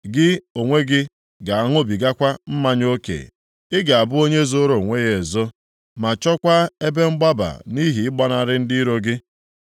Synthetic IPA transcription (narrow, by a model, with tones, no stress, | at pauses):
ɡɪ˦o˨ŋʷe˦ɡɪ˦ | ɡa˨a˨ŋʊ˦bi˨ɡa˦kʷa˦m̩˦ma˦ɲ˦o˦kḛ˨ | ɪ˦ɡa˨a˨bʊ˦o˦ɲe˦zo˦ɾo˨ŋʷe˦ɣe˨zo˦ | ma˨t͡ʃɔ˦kʷa˦e˦be˦ŋ͡m̩˦ɡ͡ba˦ba̰˨ni˦ɦi˨ɪ˦ɡ͡ba˦na˨ɾɪ˦n̩˦dɪ˦ɾo˦ɡɪ˦